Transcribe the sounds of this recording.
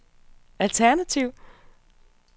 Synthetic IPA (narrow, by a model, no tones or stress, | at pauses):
ælt͡sʰæɐnæt͡sʰiʊ̰